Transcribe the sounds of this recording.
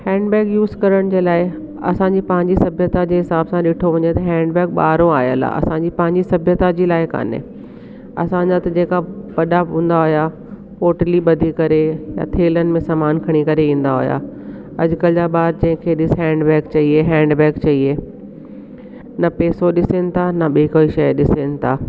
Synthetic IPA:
hɛ̃ːɳɖbɛːkjuːzkɐɾəɽ̃d͡ʑeːlaːɪ | ɐ̰sãɲd͡ʑiːpɐ̃ɦɪ̃ɲd͡ʑisɐbʱjət̪ad͡ʑeːɦɪsaːbsãɗɪʈʰoʋɐ̃ɲet̪ɐɦɛ̃ːɳɖbɛːk̚ɓa̰ːɾõaːjə̰la̰ɐ̰sãɲd͡ʑipɐ̃ɦɪ̃ɲd͡ʑisɐbʱjət̪ad͡ʑiːlaːɪka̰ːnḛ | ɐ̰sãd͡ʑat̪ɐd͡ʑeːkaʋɐɗaɦũːn̆d̪aɦoja | oːʈliɓɐd̪ʱikɐɾeja̰t̪ʰeːlənɪ̆mẽsaːmaːnkʰɐɽ̃ikɐɾeĩːn̆d̪aɦo̰ja̰ | ɐd͡ʑʊkəld͡ʑaɓaːɾd͡ʑɐ̃ɦɪ̃kʰeːɗɪsɦɛ̃ːɳɖbɛːkt͡ɕɐieɦɛ̃ːɳɖbɛːkt͡ɕɐieː | nɐpeːsoɗɪsenɪ̆t̪ʰanɐɓiikoːiʃɐjɗɪsenɪ̆t̪ʰaː

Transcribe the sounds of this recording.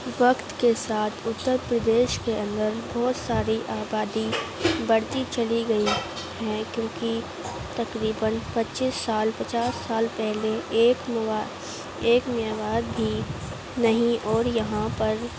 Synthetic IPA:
ʋɐkt̪kesaːt̪ʰʊt̪ːəɾpɾəd̪eːʃkeɐ̃nd̪əɾbɔːt̪saːɾiʔaːbaːd̪ibɐɽt̪it͡ʃɐliɡɐi | ɦɛkjõːki | t̪ɐkɾiːbənpɐtːt͡ʃʃisːaːlpɐt͡ʃaːsːaːlpɛɦleːkː | eːkmijaːʋaːd̪bʱi | nɐɦĩʔɔːɾjɐɦãpɐɾ

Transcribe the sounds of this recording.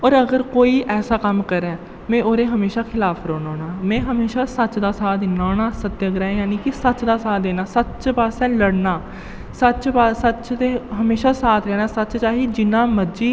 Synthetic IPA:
ɔːɾəɡəɾkoːiːʔɛːsaːkəmkəɾɛː | mɛ̃ːʔoːɾeːɦəmeːʃaːkʰɪlaːpʰɾoːnoːnaːmɛ̃ːɦəmeːʃaːsətt͡ʃd̪aːsaːd̪ɪnaːnaːsət̪ːjəɡɾɛːjaːniːkɪsətt͡ʃd̪aːsaːd̪eːnaːsətt͡ʃpaːsɛ̃ːləɽnaː | sətt͡ʃpaːsət͡ʃt̪eːɦəmeːʃaːsaːt̪ʰɾɛːnaːsətːt͡ʃt͡ʃaːɦiːd͡ʒɪnãːməd͡ʒiː

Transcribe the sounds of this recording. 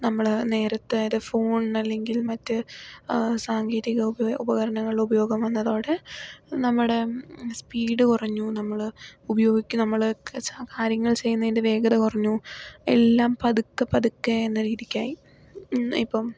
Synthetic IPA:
nɐmːɐɭne̞ːɾɐt̪ːɨðɨfoːɳɐlːe̞ŋɡilmɐtːɨ | saːŋɡiːɾiɣɐubɐɣɐɾɐɳɐŋːɐɭiɭubɐjo̞ːɡɐmʋɐnːɐðo̞ːɽenɐmːuɽe̞spiːɽɨkurɐɲːunɐmːɐɭubɐjo̞ːɡikʲːunɐmːɐɭɐt͡ɕakaːɾjɐŋːɐɭt͡ɕe̞jːunːɐðindeʋe̞ːɡɐðɐkurɐɲːue̞̰lːaːmpɐðukːɐpɐðukːeenːɐɾiːðikʲːaːji | ipːoː

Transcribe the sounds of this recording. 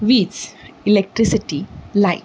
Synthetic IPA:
ʋiːsilek̚ʈɾisiʈilaj

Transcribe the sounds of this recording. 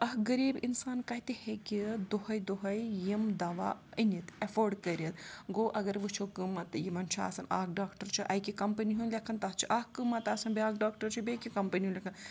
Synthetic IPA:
ɐɦɡɐɾiːbinsaːnkɐt̪ihekʲid̪ohɐjd̪oɦɐjjimd̪aʋa̰ːənit̪ɐfoːɾɖkɐɾʲɐt̪ɡoːʔɐɡɐɾʋɨt͡ʃʰokɨmɐt̪ɨjimɐnt͡ʃʰa̰ːsɐna̰ːk̚ɖaːkʈɐɾt͡ʃʰiʔɐjkikɐmpɐniɦunlʲɐkʰɐnt̪ɐɦt͡ʃʰiʔɐhkɨmɐt̪aːsɐnbiaːk̚ɖaːk̚ʈɐɾt͡ʃʰibekikɐmpɐniɦunlʲekʰɐn

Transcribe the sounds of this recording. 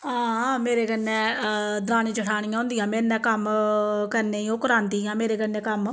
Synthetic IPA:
ãːmeːɾeːkənɛ̃ːd̪ɾaːnĩːt͡ʃəʈʰaːɳ̃ijãːɦʊ̃nd̪ijãːmeːnɛ̃ːkəmkəɾneːiokəɾãːnt̪iːjãːmeːɾeːkəɾnɛ̃ːkəm

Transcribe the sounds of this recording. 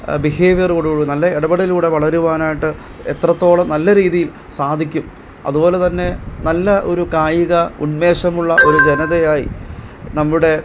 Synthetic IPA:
biɦeːʋjɐruɽuɽunɐlːɐeɽɐbɐɽiluːɽe̞ʋɐɭɐɾuʋaːnaːjiʈːɨ | et̪rɐt̪ːo̞ːɭɐmnɐlːɐɾiːðijil | saːd̪ʱikʲːum | ɐ̰ðubo̞ːle̞t̪ɐnːe̞nɐlːɐʔo̞ɾukaːjiɣɐṵnme̞ːʂɐmuɭːɐʔo̞ɾud͡ʑenɐðejaːjḭnɐmːuɽe̞

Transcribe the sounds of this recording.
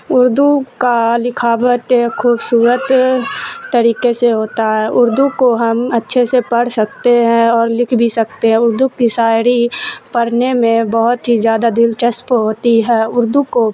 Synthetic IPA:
ʊɾd̪ukalɪkʰaːʋət̪kʰuːbsuːɾət̪ː | əɾiːkeseɦoːt̪aɦɛːʔʊɾd̪ukoɦɐmɐtːʃʰesepɐɽ̤sək̚t̪eɦɛ̃ɔːɾlɪkʰbʱisɐk̚t̪eɦɛ̃ʊɾd̪ukisaːɪɽipəɽnemẽbəɦʊt̪ɦizjaːd̪ad̪ɪlt͡ʃɐspɦoːt̪iɦɛːʊɾd̪uko

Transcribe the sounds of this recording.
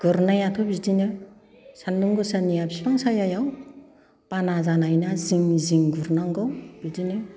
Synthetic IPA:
ɡ̥ɯɾnajatʰɔbidinɯ | sanduŋɡɯsanijabʰispaŋsajajaw | panazanajnaziŋziŋɡuɾnaŋɡɔwb̥idinɯ

